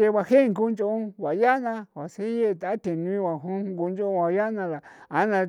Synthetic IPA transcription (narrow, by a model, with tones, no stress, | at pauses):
e˧βa˧he˦˧ŋɡu˦nd͡ʒo˧ũ˧βa˨ja˦nã˧wa˨se˦je˦˧˨t̪a˨˦t̪ẽ˨nu˧ĩ˦wa˨ɦu˦ŋɡu˧nd͡ʒõ˦˧wa˨˧ja˦nã˧la˨a˨˦nã˧